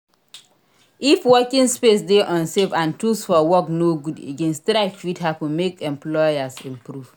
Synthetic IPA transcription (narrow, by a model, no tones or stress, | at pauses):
ifwɔkĩŋspes̬deʔɔ̃nsefãntusfɔwɔknoɡudḛɡẽnstɾaɪkfitɦapũmekɛ̃mplɔasɛ̃mpɾuv̥